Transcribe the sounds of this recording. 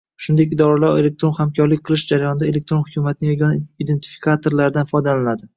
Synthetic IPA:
ʃʊnd̪ek̬ʲid̪ɒɾalaɾele̞k̚t̪ɾo̞nhamkʲʰɒɾlɪk̚ʲqʰɨlˠɪʃd͡ʒaɾajɒnɪd̪ae̞le̞k̚t̪ɾonhʊkʰʲumat̪ɪnɪjʲnid̪e̞nt̪ʰɪ̥fi̥kʰat̪ʰo̞ɾlaɾd̪anfɒjd̪alanad̪ɪ

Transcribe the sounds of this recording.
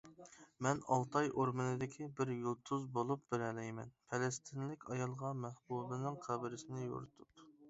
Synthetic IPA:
mɛnɑlˠt̪ʰɑjʔoɾmɨnɨd̪ɪkʲʰibɪɾjulˠt̪ʰːuzbolˠup̚bɪɾɛlɛjmɛ̰npʰɛlɛst̪ʰɪnlɪkʲɑjɑlˠʁɑmæhbubɨnɨŋqʰæbɪɾɪsɪnɪjo̰ɾʊt̪ʰup

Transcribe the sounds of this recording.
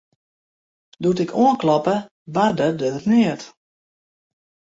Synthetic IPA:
dutɪkʰoənklɔpə | bardədəniət

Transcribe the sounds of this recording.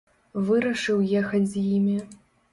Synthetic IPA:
vɨɾɐʂɨwjexɐd͡zʲzjimʲi

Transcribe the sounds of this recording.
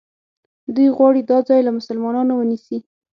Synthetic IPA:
d̪ujɣwɑɽid̪ɑd͡zɑjlamʊsalmɑnɑnowənisi

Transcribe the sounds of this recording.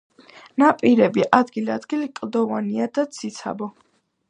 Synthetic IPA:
napʼiɾɛbiʔad̪ɡiliad̪ɡilikʼlˠd̪ɔvaniad̪at̪sʰit̪sʰa̰bɔ

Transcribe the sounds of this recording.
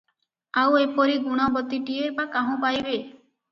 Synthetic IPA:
awepɔɾiɡuɽ̃ɔbɔt̪iʈieɾbakaɦũpajbe

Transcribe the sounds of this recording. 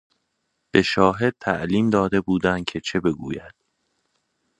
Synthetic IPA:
b̥e̞ʃɒːɦe̞d̪̚t̪ʰæʔliːmd̪ɒːd̪e̞buːd̪ænd̪̥̚cʰe̞t͡ʃʰe̞be̞ɡṵːjæd̪̥

